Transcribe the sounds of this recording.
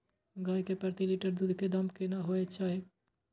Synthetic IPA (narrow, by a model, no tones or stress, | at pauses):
ɡʱaːjkepəɾt̪iliʈəɾd̪ud̪ʱked̪ɐmkenaɦoːet͡ʃaːɦe